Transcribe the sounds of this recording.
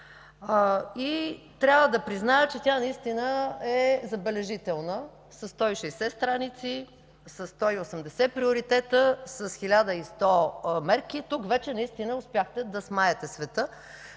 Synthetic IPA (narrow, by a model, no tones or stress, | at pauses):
i | t̪ɾʲabvəd̪ɐpɾiznajət͡ʃɛt̪ʲanɐist̪inəɛzɐbɛlɛʒit̪ɛlˠnə | sɐsːt̪ɔiʃɛjsɛst̪ɾanit̪si | sɐsːt̪ɔiosəmd̪ɛsɛpɾioɾit̪ɛt̪əsəsxilʲad̪əist̪ɔmɛɾkit̪ukvɛt͡ʃɛnɐist̪inəʊspjaxt̪ɛd̪ɐsmaɛt̪ɛsvɛt̪ə